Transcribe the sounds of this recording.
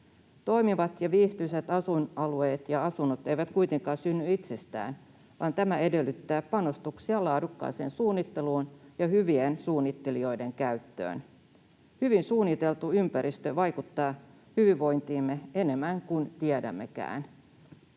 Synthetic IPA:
t̪o̞jmiʋɑt̪jɑʋiːht̪yset̪ɑsunɑlue̞ːt̪jɑɑsunot̪e̞jʋæt̪kujt̪e̞ŋkɑːsynːyit̪se̞st̪æ̰ːn | ʋɑːnt̪æmæe̞de̞lːyt̪ːæːpɑno̞st̪uksiɑlɑːdukːɑ̰ːse̞̰ːnsuːnːit̪ːe̞luːnjɑhyʋiensuːnːit̪ːe̞lio̞jde̞ŋkæyt̪ːø̰ːn | hyʋinsuːnːit̪e̞lt̪uympæɾʔist̪øʋɑjkut̪ːɑː | hyʋiʋo̞jnt̪iːmːee̞ne̞mːæŋkunt̪iɛdæ̰mːe̞kæ̰ːn

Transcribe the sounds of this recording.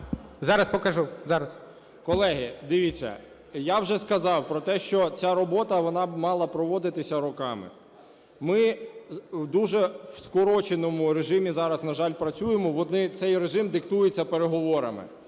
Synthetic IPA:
zɑɾɐspɔkɐʒuzɑɾɐs | kɔlˠɛɦɪd̪ɪʋʲit͡sʲːɐ̰ | jawʒɛskɐzɑwpɾɔt̪ɛʃt͡ʃɔt͡sʲaɾɔbɔt̪ɐʋɔnɑmɑlˠɐpɾɔʋɔd̪ɪt̪ɪsʲɐɾɔkɑmɪ̰ | mɪ | wd̪uʒɛwskɔɾɔt͡ʃenɔmʊɾeʒɪmʲizɑɾɐznɐʒɑlʲpɾɐt͡sʲujemɔʋɔnɪt̪sɛjreʒɪmd̪ɪkt̪ujet͡sʲːɐpeɾeɦɔʋɔɾɐ̰mɪ̰

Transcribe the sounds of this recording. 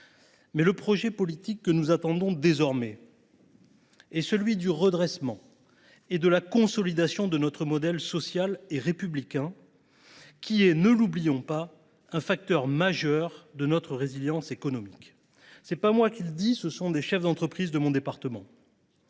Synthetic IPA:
mɛləpχɔʒɛpɔlit̪ikːənuzat̪ɑ̃d̪ɔ̃d̪ezɔʁmɛ | ɛsəlɥid̪yʁəd̪ʁɛsmɑ̃ | ed̪əlakɔ̃sɔlid̪asjɔ̃d̪ənɔt̪χəmɔd̪ɛlsɔsjaleʁepyblikʲɛ̃ | kʲʰiɛnəlublijɔ̃pa | ɛ̃fak̚t̪œʁmaʒœʁd̪ənɔt̪χəʁeziljɑ̃sekɔnɔmik | sɛpamwakʲild̪isəsɔ̃d̪eʃɛfd̪ɑ̃t̪χəpχizd̪əmɔ̃d̪epaʁt̪əmɑ̰̃

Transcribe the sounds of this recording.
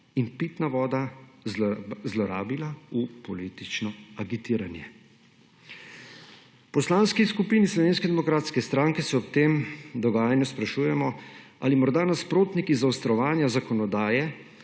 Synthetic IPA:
inpit̪naʋɔːd̪a | zlɔɾa̰ːbilaupɔliːt̪it͡ʃnɔaɡit̪iːɾanjɛ | pɔslaːnskiskupiːnislɔʋeːnskɛd̪ɛmɔkɾaːt̪skɛst̪ɾaːŋkɛsɛɔpt̪eːmd̪ɔɡaːjanjɔspɾaʃuːjɛmɔ | a̰limɔɾd̪anaspɾoːt̪nikizawst̪ɾɔʋaːnjazakɔnɔd̪aːjɛ

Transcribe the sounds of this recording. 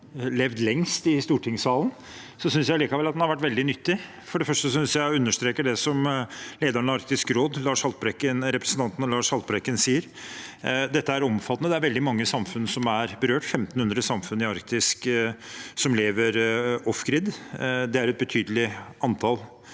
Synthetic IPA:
lɛʋd̪lɛŋst̪ɪst̪uːʈʰɪŋsɑːlˠn | sɔsʏnsjæɪliːkɑʋɛlɑt̪̚ɛnhɑɾʋæʈːʋɛld̪ɪnʏt̪ːɪ | fɔɖɛfœʂʈəsɔsʏnsjæɪʉnːəʂt̪ɾeːkəɖɛsɔmleːd̪əɾnɑɾk̚t̪ɪskɾoːd̪lɑːʂhɑlpɾɛkːənɾɛpɾəsənt̪ɑnt̪nlɑːʂɑlpɾɛkːənsiːəɾ | d̪ɛt̪ːəæɾɔmfɑt̪ənəd̪ɛæɾʋɛld̪ɪmɑŋːəsɑmfʉnsɔmæɾbəɾøːʈfɛmt̪n̩hʉnd̪ɾəsɑmfʉnɪɑɾkt̪ɪsk | sɔmleːʋəɾɔfɡɾɪd̪d̪ɛæɾɛt̪̚bət̪ʰyːd̪əlɪɑnt̪ʰɑl

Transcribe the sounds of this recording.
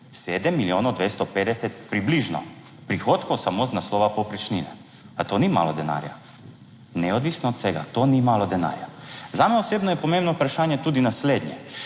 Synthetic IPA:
seːd̪ɛmːiljoːnod̪ʋest̪ɔpeːd̪ɛsɛt̪̚pɾibliʒnɔ̰ | pɾixoːt̪kowsamoːznaslɔːʋapopɾit͡ʃninɛ̰ | at̪oːnima̰ːlɔd̪ɛna̰ːɾja̰ | nɛɔd̪ʋisnɔːt̪seɡa̰t̪oːnimaːlɔd̪ɛna̰ːɾjazaːmɛɔseːbnɔjɛpɔmẽmbnɔupɾaʃaːnjɛt̪uːd̪inasleːd̪nʲjɛ̰

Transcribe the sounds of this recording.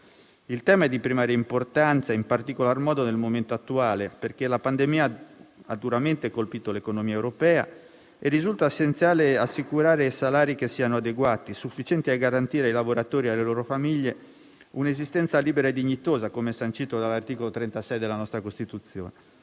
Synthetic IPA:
ilt̪ɛːmaɛd̪ipɾimaːɾjeimport̪ant̪saimpart̪ikolarmɔːd̪onelmoment̪oat̪ːuaːleperkelapand̪emiːaad̪ːuɾament̪ekolpiːt̪olekonomiːaewɾopɛːa̰ | erːizult̪aesːent̪sjaːleasːikuɾaːɾeisalaːɾikesːiːanoad̪eɡwaːt̪isufːit͡ʃɛnt̪iaɡaɾant̪iːɾeaijlavoɾat̪oːɾialeloːɾofamiʎːe | unezist̪ɛnt̪saliːbeɾaed̪iɲːit̪oːzakomeɛsant͡ʃiːt̪od̪alːart̪iːkolot̪ɾɛnt̪asɛjd̪elanɔst̪ɾakost̪it̪ut̪sjo̰ːne

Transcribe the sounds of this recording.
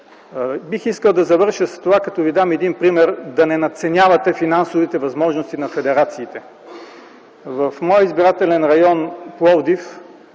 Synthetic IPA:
bixiskəlˠd̪ɐzɐvɤɾʃəst̪ovakɐt̪ɔvid̪amɛd̪inpɾimɛɾd̪ɐnɛnɐt̪sɛnʲavɐt̪ɛfinansovit̪ɛvɐzmɔʒnost̪inɐfɛd̪ɛɾat̪siːt̪ɛ | vɐfmɔjəizbiɾat̪ɛlɛnɾɐjɔnplˠɔvd̪if

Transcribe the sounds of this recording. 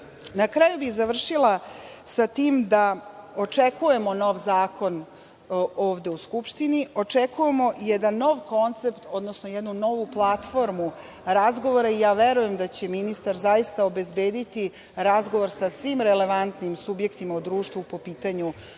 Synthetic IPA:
nakɾaːjubiɣzaʋr̩ʃilˠa | sat̪iːmd̪ao̞t͡ʂekuje̞mo̞no̞ʋzaːkʰo̞n | o̞ːʋd̪e̞uskupʃt̪inio̞t͡ʂekujemo̞ʔijed̪anːo̞ʋko̞nt̪se̞pt̪o̞d̪nosnojed̪nuno̞ʋuplˠat̪fo̞ɾmu | ɾazɡo̞ʋo̞ɾaijaːʋeɾuje̞md̪at͡ɕe̞minist̪aɾzajist̪ao̞be̞zbe̞ːd̪it̪i | ɾazɡo̞ʋoɾsasʋimɾele̞ʋant̪nimsubje̞kt̪imaud̪ɾuːʃt̪ʋupo̞piːt̪aɲu

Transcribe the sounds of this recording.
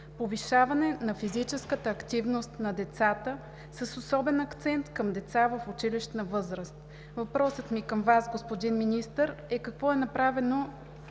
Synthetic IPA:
poviʃavɐnɛnɐfizit͡ʃɛskət̪əːkt̪ivnost̪nɐd̪ɛt̪sat̪ə | səsosɔbɛnɐkt̪sɛnt̪kəmd̪ɛt̪savəfʊt͡ʃiliʃt̪nɐvɤzɾəst̪ | vɐpɾɔsət̪mikəmvasɡospod̪inminist̪əɾɛkɐkvɔɛnɐpɾavɛno

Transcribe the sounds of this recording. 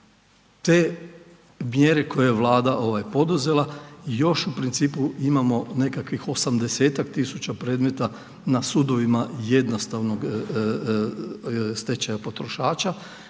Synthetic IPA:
t̪e | mjeɾe̞ko̞jejeʋlˠaːd̪aʔo̞ʋajpo̞d̪uze̞lajo̞ʃupɾint̪siːpuimamo̞ne̞kakʋixo̞samd̪e̞se̞ːt̪akt̪isut͡ɕapɾe̞ːd̪met̪a | nasud̪o̞ʋimaje̞d̪nost̪aʋno̞ɡ | st̪e̞t͡ɕajapo̞t̪ɾoʃaːt͡ʃa

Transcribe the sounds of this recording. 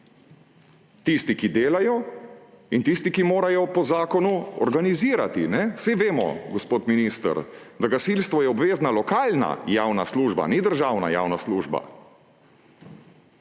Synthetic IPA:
t̪ist̪ikid̪eːlajɔ | int̪ist̪ikimoːɾajɔpɔzaːkɔnuɔ̰ɾɡaniziːɾat̪inɛsiʋeːmɔ̰ɡɔspoːt̪miniːst̪ə̰ɾd̪aɡasilst̪ʋɔjɛɔbʋeːznalɔkaːlna̰jaːwnasluːʒba̰nid̪əɾʒaːwna̰ja̰ːwnasluːʒba̰

